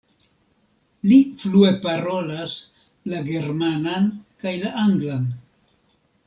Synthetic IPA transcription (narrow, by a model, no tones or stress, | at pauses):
liflue̞paɾo̞las | laɡe̞ɾmanankajlaʔaŋɡlan